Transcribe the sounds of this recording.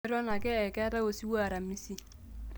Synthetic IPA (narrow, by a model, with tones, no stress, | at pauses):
ɾɔ˦na˨kɛ˦ɛ˨kɛ˦ɾa˦o˨si˦wa˦˨ɾa˨mi˦si˦